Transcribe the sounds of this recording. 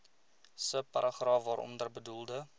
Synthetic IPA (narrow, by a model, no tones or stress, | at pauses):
səpɐɾɑχrɑːfvɑːɾɔ̰mdərbədulˠdə